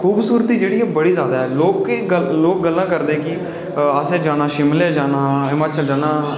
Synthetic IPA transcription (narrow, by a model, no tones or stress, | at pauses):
kʰuːbsuːɾət̪iːd͡ʒeːɽiːɛbəɽiːzjaːd̪aːɦɛːloːkːəloːk̚ɡəlːãːkəɾd̪ẽːkɪ | aseːd͡ʒaːnãːʃɪmleːd͡ʒaːnaːɪmaːt͡ʃəld͡ʒaːnaː